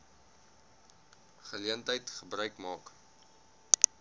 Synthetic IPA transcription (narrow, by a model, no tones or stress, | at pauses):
χəliəntɦəjtχəbrœɥkmɑːk